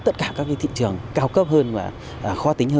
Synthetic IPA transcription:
t̪ə˦˥t̚kaː˧˩kaː˦˥k̚vḭ˧˥t̪i˧˨t͡ɕɨ˨˩əŋkaː˧wkə˦˥p̚ɦəː˧nvaː˨˩ | ʔəː˨˩xwɔː˧t̪i˨˦ŋ̟həː˧

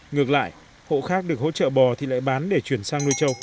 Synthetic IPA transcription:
ŋɨ˨˩ək̚la̰ː˧˨j | ho̰˧˨xaː˦˥k̚ɗɨ˨˩ək̚ho̰˧˥t͡ɕə̰ː˧˨ɓɔ˨˩t̪ʰi˨˩la̰ː˧˨jɓaː˨˦nɗe˧˩t͡ɕwi˧˩ənsaː˧ŋnu˧jt͡ɕə˧w

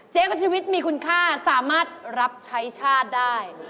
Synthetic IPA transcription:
t͡ɕeː˦˥ko˥˩t͡ɕʰiː˧wi˦˥t̪̚miː˧ku˧nkʰaː˥˩saː˩˦maː˥˩t̪̚ɾa˦˥p̚t͡ɕʰa˦˥jt͡ɕʰaː˥˩t̪̚daː˥˩j

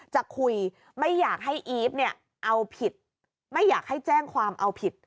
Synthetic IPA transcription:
t͡ɕa˨˩kʰu˧j | ma˥˩jːaː˨˩k̚ɦa˥˩jʔiː˦˥p̚ni˥˩ɐ | ʔa˧wpʰi˨˩t̪̚ | ma˥˩jːaː˨˩k̚ha˥˩jt͡ɕɛː˥˩ŋkʰwaː˧mʔa˧wpʰi˨˩t̪̚

